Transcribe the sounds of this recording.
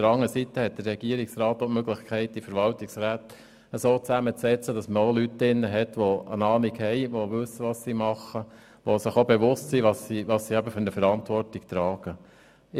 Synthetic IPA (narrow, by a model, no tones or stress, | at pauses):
təɾɑŋːəəsit̪əhɛt̚d̪̥əɾrɛɡiəɾiksɾɑːt̪ːomøɡlɪχkʰχɛɪt̚difəɾʋɑltɪksɾæːt̪ | əsoːt͡sæmət͡sːɛt͡səd̥ɑsməolytːɪnːəɦɛt̪ʋoə̰nɑːlikhɛɪʋoʋɵsːəʋɑssimɑχːə | ʋosɪχobeʋʊstsiʋɑssiʋɑssiæbəfʏɾnəfəɾɑntʋɔɾtikt̪ɾɑːɡ̥ə